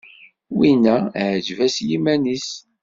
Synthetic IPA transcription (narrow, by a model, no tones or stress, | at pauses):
winæʕd͡ʒvæsjimænis